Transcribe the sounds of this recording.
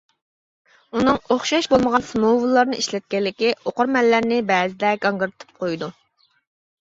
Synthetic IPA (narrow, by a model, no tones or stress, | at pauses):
unɨŋoχʃɑʃbolˠməʁɑnsmowulˠːɑɾnɨiʃlɛt̪̚kʲɛlːɪkʲioqʊɾmɛlːæɾnɪbɛːzɪd̪ɛɡɑŋɡɨɾt̪ʰɨ̥p̚qʰojd̪u